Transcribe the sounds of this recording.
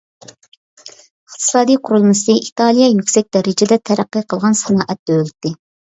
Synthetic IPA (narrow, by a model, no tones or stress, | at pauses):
əχt̪ʰɨ̥sɑːd̪ijqʰʊɾulˠmɨsɨʔit̪ɑlˠijɛjykʲsɛk̚ʲd̪ɛɾɪd͡ʒɪd̪ɛt̪ʰɛɾæqːiqʰəlˠʁɑnsnɑːʔɛt̪̚d̪ølt̪ːɪ